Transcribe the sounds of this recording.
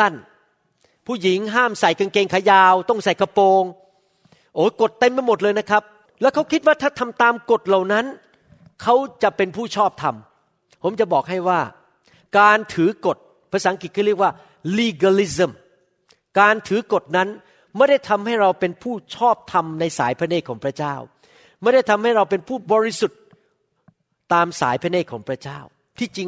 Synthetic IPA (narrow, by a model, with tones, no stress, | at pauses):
ta˥˩n | pʰuː˥˩ji˩˦ŋɦaː˥˩msa˨˩jka˧nkeː˧ŋkʰa˧˥˩jaː˧wt̪ɔ˥˩ŋsa˨˩jkʰa˧poː˧ŋ | ʔoː˧˩˦ko˨˩t̪ːe˧mːa˧jmo˨˩t̪̚lɤː˧jna˦˥kʰa˦˥p̚ | lɛː˦˥wkʰa˦˥wkʰi˦t̪̚waː˥˩t̪ʰaː˥˩t̪ʰa˧mt̪aː˧mko˨˩t̪̚la˨˩wna˦˥n | kʰa˦˥wt͡ɕa˨˩pe˧npʰuː˥˩t͡ɕʰɔː˥˩p̚t̪ʰa˧m | pʰo˩˦mt͡ɕa˨˩bɔː˨˩k̚ɦa˥˩jwaː˥˩ | kaː˧nt̪ʰɯː˩˦ko˨˩t̪̚ | pʰɾa˧saː˨˦ŋki˨˩kʰɔː˥˩ɾi˥˩ək̚waː˥˩ | liː˧ɡaː˧li˦˥s̬ə˧˩m | kaː˧nt̪ʰɯː˨˩˦ko˨˩t̪̚na˦˥n | ma˥˩jda˥˩jt̪ʰa˧mha˥˩jɾa˧wpe˧npʰuː˥˩t͡ɕʰɔː˥˩p̚t̪ʰa˧mna˧jsa̰ː˩˦jpʰa˧neː˥˩kʰɔː˩˦pɾa˦˥t͡ɕaː˥˩w | ma˥˩jda˥˩jt̪ʰa˧mha˥˩jɾa˧wpe˧npʰuː˥˩bɔː˧ɾi˦˥su˨˩t̪̚ | t̪aː˧msa̰ː˩˦jpʰa˧˥neː˥˩kʰɔː˩˦ŋpʰɾa˦˥t͡ɕaː˥˩w | t̪ʰiː˥˩t͡ɕi˧ŋ